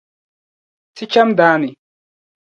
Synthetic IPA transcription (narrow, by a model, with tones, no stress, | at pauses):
si˦t͡ʃa˦md̪aː˨˦ni˨